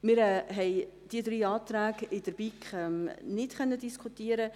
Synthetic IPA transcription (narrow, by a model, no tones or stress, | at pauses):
mɪɾɛɦɛɪd̪̥iəd̪ɾiːɑːt̪ɾæːɡɪd̥əɾb̥ikχɛmnɪtχœnːədiskʰut̪iəɾə